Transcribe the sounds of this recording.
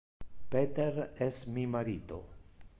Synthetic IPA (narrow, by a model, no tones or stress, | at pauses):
pet̪eɾesmimaɾit̪o̰